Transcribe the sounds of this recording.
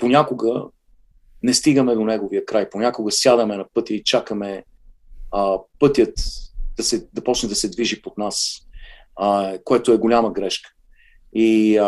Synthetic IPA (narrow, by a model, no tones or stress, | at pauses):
ponʲakoɡə | nɛst̪iɡəmɛd̪onɛɡoviəkɾajponʲakoɡəsjad̪əmɛnɐpɤt̪ʲjəit͡ʃakəmɛ | pɤt̪ʲjət̪d̪̥ɐsɛd̪ɐpɔt͡ʃnɛd̪ɐsɛd̪viʒipot̪nas | koɛt̪oɛɡolʲaməɡɾɛʃkə̥ | i